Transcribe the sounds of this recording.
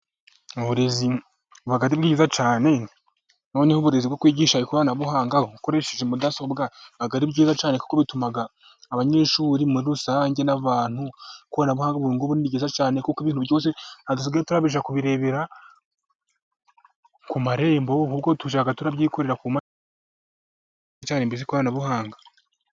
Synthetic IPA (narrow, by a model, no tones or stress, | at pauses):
uβuɾe̞zi | βaɡaɾibɡiːɟizat͡ʃaːne̞ | nanihuβuɾe̞zibɡokwiːɟiːʃaɾikuβanaβuhaːŋɡauko̞ɾe̞ʃeʒemudaso̞bɡaaɡaɾibɡiːzat͡ʃaːneku̥koβitumaɡaː | βaɲe̞ːʃuːɾimuɾiɾusaɲɟe̞naβaːn̥hukuβanaβuhaːŋɡaβuiːŋɡoβuniiɟezat͡ʃaːnekukiβiːnhuβjo̞ːs̬e̞nadus̬iɡaɾotuɾaβiʃakuβiɾe̞βeɾa | kumaɾe̞ːmbokubɡotuʃ̬aɡatuɾabɟiːkoɾeɾakuma | t͡ʃaːnembizikuβaːnaβuhaːŋɡa